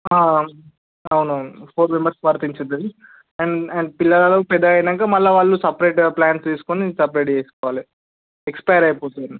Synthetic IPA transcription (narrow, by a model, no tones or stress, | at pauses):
aː | ɐwnuɐwnupʰoːɾmembɐɾspɐɾɐt̪iɲt͡ʃɐd̪i | ɐɳɐɳɖ̚pilːɐlaːlɐkupɛd̪ːɐɐjɐnɐŋkaːmɐlːaʋaːɭːusɐpɾeʈplaːnst̪iːsu̥konisɐpɾeːʈt͡ʃeːskɔːʋaːli | ekspɐjɐɾɐjpoːt̪uni